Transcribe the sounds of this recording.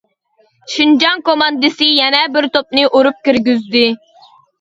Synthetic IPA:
ʃind͡ʒɑŋkomɑnd̪ɨsɨjɛnɛbɪɾt̪op̚nɨʔoɾup̚kʲiɾɡʲyzd̪ɪ

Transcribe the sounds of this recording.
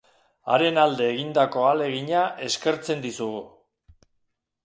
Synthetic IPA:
a̰ɾe̞nald̪e̞ːɣind̪ako̞ale̞ɣiɲaʔe̞ske̞ɾt͡se̞nd̪isuɣu

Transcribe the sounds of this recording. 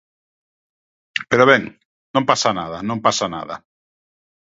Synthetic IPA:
peɾoβɛŋ | nõmpasanaðanõmpasana̰ða̰

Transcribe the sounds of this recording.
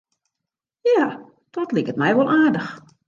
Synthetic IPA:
jaː | d̥ɔtlikət̚mɛjʋolˠʔaːdəx

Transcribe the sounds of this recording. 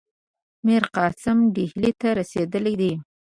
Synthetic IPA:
mɪɾqɑsɪmɖihlit̪aɾased̪əled̪i

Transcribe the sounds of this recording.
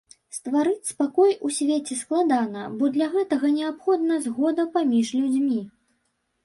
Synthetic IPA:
st̪vaɾɨt͡sʲspakɔjusʲvʲet͡sʲɛsklˠad̪anɐbɔd̪lʲaɣɛt̪ɐɣɐnʲɛapxɔd̪̚nɐzɣɔd̪ɐpamʲiʐlʲud͡zʲmʲi

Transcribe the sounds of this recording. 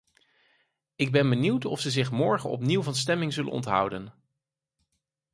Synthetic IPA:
ɪɡ̚bɛnbəniwtɔ̰fsəzɪχmɔɹχənɔ̰p̬niwvɑnstɛmɪŋzɵlə̰nɔ̰ntɦʌ̰wdən

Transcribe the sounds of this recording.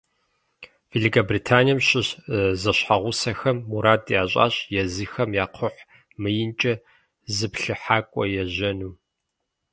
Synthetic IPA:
v̥eɮikʰɐbriːtʰaːnijɐmɕɪɕzɐɕħaʁʷʊsɐxɐmːuɾaːtʼiaːɕʼa̰ːɕjɛzɨxɐmjaːqʰʊħ | mɨjɪnt͡ʃʼɐ | zɨpɬɨħaːkʷʼɔjɛʑɐnuː

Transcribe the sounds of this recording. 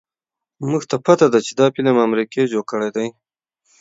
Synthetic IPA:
muɡt̪apat̪ad̪at͡ʃed̪ɑpilamamɾiked͡ʒokəɽajd̪aj

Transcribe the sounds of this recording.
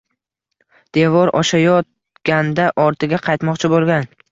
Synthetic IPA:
d̪̥e̞vɒɾɒ̰ʃajɒt̪̚ | ɡ̥ʲand̪aʔɒɾt̪ʰɪɡʲaqʰɑjt̪mɒqt͡ʃʰɪbolˠɡʲan

